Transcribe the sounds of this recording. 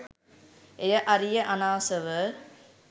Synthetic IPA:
ejəʔɐɾijəʔanaːsəʋə

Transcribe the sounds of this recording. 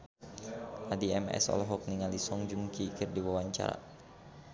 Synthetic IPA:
ʔadiɛmɛ̰sɔ̰lɔɦɔk̚niŋalisɔŋd͡ʒuŋkikɨrdiwawaɲt͡ʃa̰ɾa̰

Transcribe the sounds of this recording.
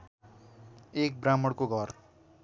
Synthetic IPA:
ek̚bramʌɽkoɡʱʌr

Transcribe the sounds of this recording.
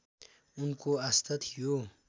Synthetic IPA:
ʊnkoɐst̪ɐt̪ʰijo

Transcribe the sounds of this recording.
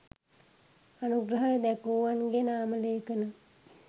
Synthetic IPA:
anuɡɾəɦajəd̪ɛkuːʋanɡenaːməleːkənə

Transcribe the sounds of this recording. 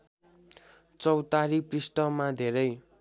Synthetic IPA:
t͡sʌwt̪aɾiprisʈʌmad̪ʱeɾʌj

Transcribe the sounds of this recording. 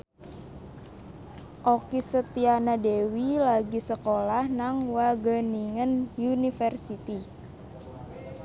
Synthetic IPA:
ʔokisət̪ianadewilaɡisəkolahnaŋwaɡəniŋənjunifərsit̪i

